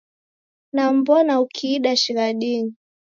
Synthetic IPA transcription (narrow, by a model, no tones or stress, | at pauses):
nambɔnaukʰiːɗaʃiɾaɗini